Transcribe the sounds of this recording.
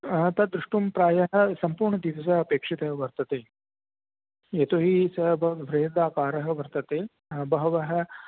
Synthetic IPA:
t̪ɐd̪ɾuʂʈumpɾaːjɐɦɐ̆sɐmpuːɾɳɐd̪iʋɐs̬ɐɦɐpeːkʂit̪ɐɦʋɐɾt̪ɐt̪eː | eːt̪oːɦisɐbɐʋɾeːd̪aːkaːɾɐɦɐ̆ʋɐɾt̪ɐt̪eː | bɐɦɐʋɐɦɐ̆

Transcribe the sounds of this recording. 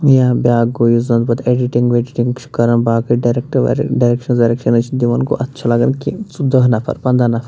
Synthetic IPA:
jãːbʲjaːɡojuzɐnd̪bɐt̪eɖiʈĩŋɡʋeɖiʈĩŋɡʃʰu̥kɐɾɐnbaːkɐɖaɾekʈɐ̰ɖaɾekʃɐnzɐɾekʃɐnɐt͡ʃʰind̪iʋɐnko̰ʔɐtːt͡ʃʰalɐɡɐnkit͡sud̪ɐɦnɐfʰɐ̰ɾpɐ̃nd̪ɾanɐfʰɐɾ

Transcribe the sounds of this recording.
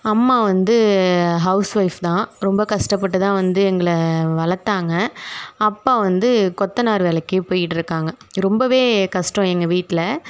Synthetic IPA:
ɐmːaːʋɐnd̪ɯɦɐʊsʋɐɪft̪ãːɾɔmbɐkɐʂʈɐp̬ːɐʈːɯt̪ãːʋɐnd̪ɯɛŋɡɐɭɐʋɐɭɐt̪ːaːŋɡɐɐpːaːʋɐnd̪ɯkɔt̪ːɐnaːɾɯʋɛːlɐkːɯpoːjɪʈːɪɾɯkːaːŋɡɐ | ɾɔmbɐʋeːkɐʂʈɔ̃ɛŋɡɐʋiːʈːɪlɐ

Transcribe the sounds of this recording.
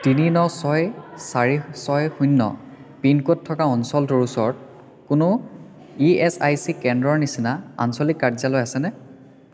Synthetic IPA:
tininɔsɔjsaɹisɔjxunːɔ̰ | pinkotʰːɔkaɔnsɔltoɹusɔɹt̚ | kʊnʊ | iɛsajsikɛndɹɔɹnisinaa̰nsɔlikːaɹzalɔjasɛnɛ

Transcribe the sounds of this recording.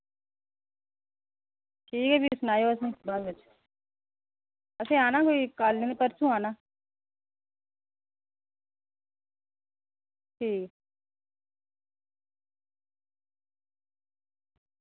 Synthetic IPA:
ʈʰiːkɛbʱisnaːjoɐs̬ẽbaːɾɐt͡ʃʰ | ɐsẽaːnaːkoːikaːlnẽnepəɾt͡ʃʰũaːnaː | ʈʰiːk

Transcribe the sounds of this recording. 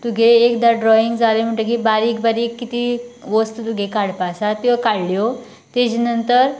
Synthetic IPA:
t̪uɡʱeːkd̪aɖɾɔiŋɡd͡zalem̤əɳʈək̬ibaɾikbaɾikːit̪iːʋəst̪t̪uɡʱekaɽpasat̪ːĩʋakaɽljo | t̪ed͡ʑinənt̪əɾ

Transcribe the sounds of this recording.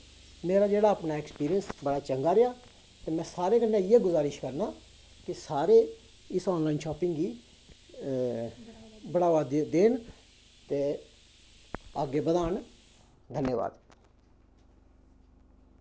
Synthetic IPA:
meːɾaːd͡ʒeːɽaːəpnaːɛkspiːɾijənsbəɽaːt͡ʃəŋɡaːɾɪjaː | t̪eːmɛ̃ːsaːɾeːkənːeːeːɡʊzaːɾɪʃkəɾnaː | kɪsaːɾeː | ɪsɔːnlaːinʃɔːpɪ̃ŋɡɡiː | bəɽaːʋaːd̪d̪eːn | t̪eː | aɡeːbəd̪aːɳ | d̪ʱənjəːʋa̰ːd̪

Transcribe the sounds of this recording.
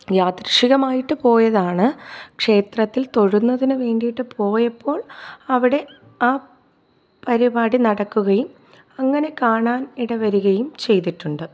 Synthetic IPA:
jaːt̪rɐʂiɣɐmaːjiʈːɨpo̞ːjɐðaːɳɨkʂe̞ːt̪rɐt̪ːilt̪o̞ɻunːɐðinɨʋe̞ːɳɖijiʈːɨpo̞ːjɐpːo̞ːɭɐʋiɽe̞ | aː | pɐɾibaːɽinɐɽɐkːuɣɐjum | ɐŋːɐne̞kaːɳaːniɽɐʋɐɾuɣɐjumt͡ɕe̞jt̪̬iʈːuɳɖɨ

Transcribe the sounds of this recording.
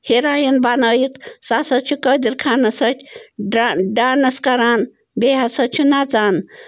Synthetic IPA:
heɾaːjɐnbanəːjik̪sasɐt͡ʃʰukəd̪iɾkʰanɐsɐtʲʰɖaɖanɐskɐɾan | beɦasɐt͡ʃʰunat͡saːn

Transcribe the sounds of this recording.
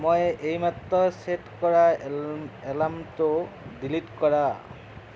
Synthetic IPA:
mɔjʔejmat̪ɾɔseʈkɔɾa | elamtodilitkɔɾa

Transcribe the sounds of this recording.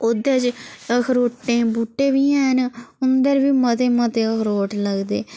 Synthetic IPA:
od̪eːt͡ʃkʰɾoːʈːẽːbuːʈːeːbiːɛːnʊnd̪əɾbiːmət̪eːmət̪eːkʰɾoːʈləɡd̪eː

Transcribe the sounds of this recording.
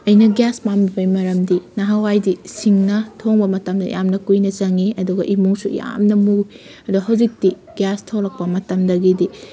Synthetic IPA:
ɐjnɐɡjaspambibɐjmɐɾɐmdinɐɦawajdisiŋnɐtʰoŋbɐmɐtɐmdɐ̰ja̰mnɐkujnɐt͡ʃɐŋiɐduɡɐʔimuŋsuja̰mnɐmu | ɐduɡɐɦɐwzik̚ti | ɡjastʰowɾɐk̚pɐmɐtɐmdɐɡidi

